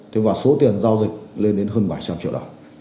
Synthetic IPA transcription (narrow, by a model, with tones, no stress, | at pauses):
t̪ʰe˨˦vaː˨˩so˨˦t̪i˨˩ənzaː˧wzï˨˩k̟̚le˧nɗe˨˦nɦəː˧nɓa˧˩jt͡ɕa˧mt͡ɕḭ˧˨wɗə̰˧˩ŋ͡m